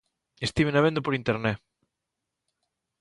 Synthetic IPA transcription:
est̪iβenaβend̪opoɾint̪eɾnɛ

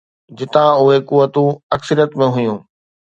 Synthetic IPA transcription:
d͡ʑɪt̪ãʊɦekuʋːət̪ũɐksəɾjət̪mẽɦʊjũː

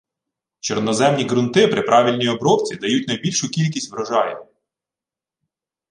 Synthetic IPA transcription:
t͡ʃɔɾnɔzɛmnʲiɡɾʊnt̪ɪpɾɪpɾʔɑʋʲilʲnʲijɔbɾɔwt͡sʲid̪ɐjutʲnɐjbʲilʲʃʊkʲilʲk̬ʲisʲtʲʋɾɔʒɑjn

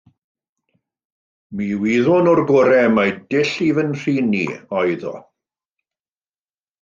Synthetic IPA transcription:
miːwiːðʊnɔrɡɔɾɛmajdɪɬivənr̥iːnːḭɔjðɔ̰

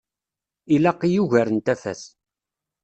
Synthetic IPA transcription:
ilæqːijuʝæɾənt̪æfæ̰θ

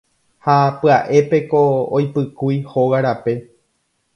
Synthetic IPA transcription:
hapɨaʔe̞pe̞koːjpɨkujhoɣaɾape̞

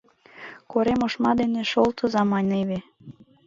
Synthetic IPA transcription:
koɾemoʃmɑd̪eneʃolt̪ɤ̆zɑmɑnʲeβe

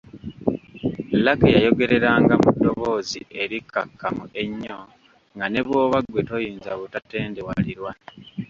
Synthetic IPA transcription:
lakejajo̞ɡe̞ɾe̞ɾaːŋɡamudːo̞βo̞ːziʔe̞ɾikːakːamue̞ɲːo | ŋɡane̞βwo̞ːβaɡwe̞to̞jiːnzaβutate̞ːnde̞waliɾwa

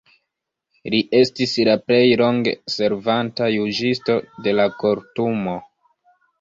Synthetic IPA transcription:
liʔe̞stislaple̞jlo̞ŋɡḛse̞ɾvantajud͡ʒisto̞de̞lako̞ɾtumo̞

